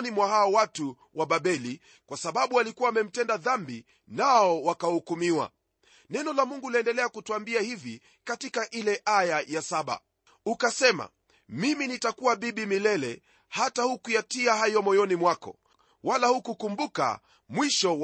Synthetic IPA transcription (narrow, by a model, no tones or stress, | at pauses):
nimwahaɔwatu | waɓaɓɛli | kwasaɓaɓualikuwaːmɛm̩tɛndaðambi | naɔwakahukumiwa̰ | nɛnɔlamuŋɡulaɛndɛlɛakutuambiahivi | katikaʔilɛʔajajasaɓa̰ | ukasɛma̰ | miminitakuwaɓiɓimilɛlɛ | hatahukujatiahajɔmɔjɔnimwakɔ̰ | walahukukumbuka̰ | mwiʃɔw